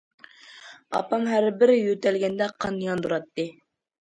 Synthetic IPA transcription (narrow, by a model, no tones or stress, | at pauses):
ɑ̰pɑmɦæɾbɪɾjøt̪ɛlɡʲɛnd̪ɛqʰɑnjɑnd̪uɾɑt̪ːɨ